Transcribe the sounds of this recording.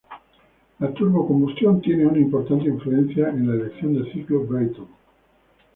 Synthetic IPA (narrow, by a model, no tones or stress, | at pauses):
lat̪urmokombust̪jont̪jɛneunaimport̪ant̪̬eiɱfluɛnt̪θjaʔenlaelek̪sjond̪elsiklobɾejt̪õn